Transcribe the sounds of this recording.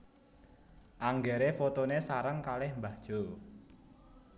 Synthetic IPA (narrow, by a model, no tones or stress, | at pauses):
ʔaŋɡɛɾefot̪onesaɾəŋkalɪhmbad̥ʒ̥o